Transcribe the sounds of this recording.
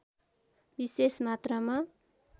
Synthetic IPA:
bisesmat̪rʌma

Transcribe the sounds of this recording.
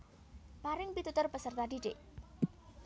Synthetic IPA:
maɾɪŋpit̪ut̪ʊrpəsərt̪aɖiɖḛʔ

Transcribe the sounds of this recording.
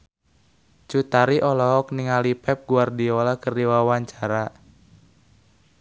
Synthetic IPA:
t͡ʃut̪aɾiʔɔlɔɦɔk̚niŋalipɛp̚ɡuardiɔlakərdiwawaɲt͡ʃaɾa

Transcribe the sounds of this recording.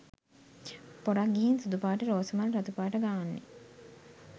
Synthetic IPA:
poɾakɡiɦinsud̪upaːʈəɾoːsəmaɾɾat̪upaːʈəɡaːnːḛ

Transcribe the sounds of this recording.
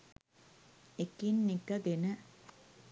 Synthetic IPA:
ekinːikɐɡenə

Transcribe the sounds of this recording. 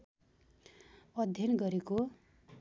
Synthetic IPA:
ʌd̪ʱjʌnɡʌɾeko

